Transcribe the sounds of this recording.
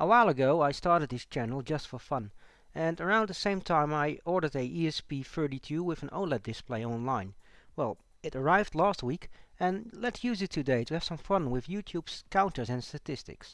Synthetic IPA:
ʔəwaɪlˠəɡoʊaɪstɑɹɾɨd̪̚ðɪst͡ʃʰænl̩ˠd͡ʒʌstfə˞fʌ̃n | ɨ̃nə˞ãʊ̃nðɨsẽɪ̃mtʰãɪ̃maɪɔɹɾə˞ɾɨʔiɛsbifɜ˞ɾitʰʉwɪð̃no̰ʊlɛt̪̚d̥ɨspl̥eɪɑ̃nlãɪ̃nwɛlˠ | ɨɾə˞aɪvdˡlæst̚wikɨ̃nlɨtsjʉzɨtʰɨdeɪɾɨːv̥sʌ̃ɱfʌ̃nwɪðjʉtʰjʉb̥z̥kʰãʊ̃ntə˞zɨ̃nstɨtʰɪstɨ̰ks

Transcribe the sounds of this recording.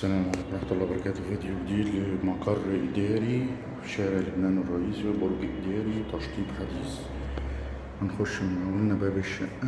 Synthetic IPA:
sælæːmʕaliːkmlɑħt̪ˤʊlːɑːbɑɾˤɑkæːt̪viːd̪juɡd̪iːd̪lɪmɑqɑrˤʔɪd̪æːɾi | ʃæːɾɪʕlʊbnæːnwrˤːɑʔiːsiwbʊɾˤbiʔɪd̪æːɾiwt̪ɑʃt̪ˤiːbħad̪iːs | mænxʊʃnawalnæbæːbɪʃːæʔ

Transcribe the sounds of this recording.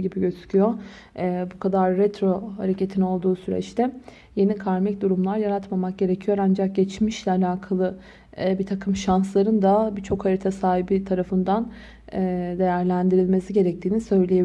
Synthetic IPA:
ɟibiɟøzy̥cʰyjo | bukʰad̪aɾːɛt̪ɾo̞haɾecʰe̞t̪ʰino̞lˠd̪uːsyɾɛ̰t͡ʃt̪ʰɛ | je̞nikʰaɾmɛcd̪uɾumlˠaɾjaɾat̪mamak̚ɟe̞ɾecʰijo̞ɾand͡ʒak̚ɟɛt͡ʃmiʃlʲɛalʲaːkʰalˠɯ | bit̪ʰakʰɯmʃanslˠaɾɯnd̪abit͡ʃʰo̞khaɾit̪ʰasaːɦibit̪ʰaɾafɯnd̪anː | d̪e̞jæɾlʲænd̪iɾilʲme̞siɟe̞ɾɛc̚t̪ʰiːnisø̞jlʲeje

